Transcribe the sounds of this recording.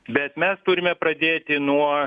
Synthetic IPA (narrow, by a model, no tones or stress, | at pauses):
bʲɛt̪mʲɛst̪ʊɾʲɪmʲɛpɾɐd̪ʲeːt̪ʲɪnuɔ